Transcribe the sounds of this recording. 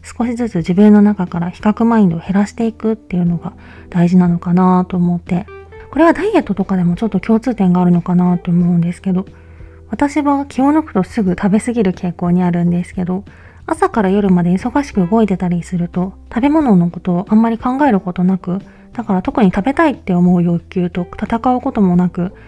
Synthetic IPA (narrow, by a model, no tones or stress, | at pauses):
sɨ̥ko̞ɕizɨt͡sɨʑibɯ̟̃nːo̞nakakaɾaçi̥kakɯ̟maĩnd̪ohe̞ɾaɕi̥t̪e̞ikɯ̟t̪ːe̞jɯ̟no̞ɡa | d̪̥aiʑinano̞kanat̪o̞ːmo̞t̪ːe̞ko̞ɾe̞βad̪aije̞t̪ːo̞t̪o̞kad̪e̞mo̞t͡ɕo̞t̪ːo̞kʲo̞ːt͡sɨːt̪ẽ̞ŋɡaːɾɯ̟no̞kanat̪o̞ːmo̞ɯ̟̃nd̪e̞sɨ̥ke̞d̪o̞ | β̞at̪aɕiβakʲio̞nokɯ̟̥t̪o̞sɨɡɯ̟t̪ʰabe̞sɨɡʲiɾɯ̟kʰe̞ːko̞ːɲ̟iaɾɯ̟̃nd̪e̞sɨ̥ke̞d̪o̞ | asakaɾajo̞ɾɯ̟mad̪e̞iso̞ɡaɕi̥kɯ̟ɯɡo̞et̪e̞t̪aɾʲisɨɾɯ̟t̪o̞t̪abe̞mo̞no̞no̞ko̞t̪o̞ːʔãmːaɾʲikãŋɡae̞ɾɯ̟ko̞t̪o̞nakɯ̟ | d̪̥akaɾat̪o̞kɯ̟ɲ̟it̪abe̞t̪ait̪ːe̞o̞mo̞ɯ̟jo̞kʲɨːt̪o̞t̪at̪akaɯ̟ko̞t̪o̞mo̞nakɯ̟